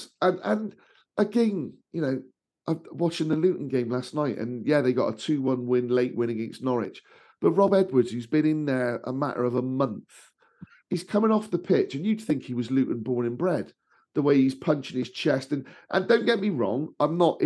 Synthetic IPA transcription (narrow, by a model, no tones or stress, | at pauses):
ə̃nə̃n | ʔəɡɛ̃ɪ̃njɨnoʊ | ʔaɪwɑt͡ʃɪ̃nðəlʉˑʔn̩ɡẽɪ̃mlasⁿnaɪʔə̰̃njæðeɪɡɑ̰tə̰tʰʉːwʌ̃nwɪ̃nleɪʔwɪ̃nəɡɛ̃nsnɔɹɪ̰̥d͡ʒ̥ | b̥ʌt̚ɹɑbɛd̚wə˞dz̥hʉzbĩnɪ̃nðə˞ə̰ma̰ʔə̰˞əvəmʌ̃nθ | hiz̥kʰʌmɪ̃ŋɒfðəpʰɪt͡ʃɨ̃njɨd̥̪̚θɪ̃ŋkhiwɒzlʉˑʔn̩bɔːɹnɪ̃nbɹɛd̪̥̚ | ðəweɪiz̥pʰʌ̃nt͡ʃɪ̃ŋɨz̥t͡ʃʰɛstɨ̃nʔə̰̃ndõʊ̃nɡ̥ɛʔ̚miɹɔ̰̃ŋãɪ̃mnəʔ